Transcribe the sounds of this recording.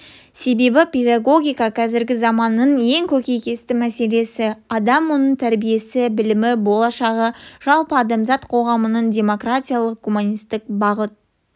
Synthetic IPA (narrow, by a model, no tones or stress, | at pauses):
se̞be̞bɪpʲe̞d̪aɡo̞ɡʲijkɑqʰɑzɪɾɡʲɪzɑmɑnːəɴje̞ŋkʲʰɵkʲe̞jkʲe̞st̪ɪmæse̞le̞sɪɑd̪ɑmːonəɴt̪ʰæɾbije̞sɪbɪlɪmɪbo̞lˠɑʃɑʁəʒ̥ɑlˠpəɑd̪ɑmzɑt̪qʰo̞ʁɑmənəɴd̪ʲe̞mo̞kratʲijalˠəq̚ɡumunʲijst̪ɪk̚bɑʁət̪̚